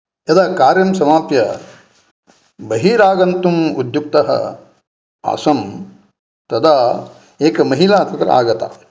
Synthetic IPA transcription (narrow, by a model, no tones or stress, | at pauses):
ɐd̪aːkaːɾjɐmsɐmaːpjɐ | bɐɦiːɾaːɡɐnt̪umud̪juk̚t̪ɐɦɐ̰ | a̰sɐm | t̪ɐd̪ʰa | eːkɐmɐɦilaːt̪ɐt̪ɾɐ̰a̰ːɡɐt̪a̰